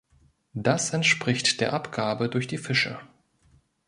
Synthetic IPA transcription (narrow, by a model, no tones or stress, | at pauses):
d̥asɛntʃpʁ̥ɪçtd̥eːɐʔapɡ̥aːbədʊɐçd̥iːfɪʃə̰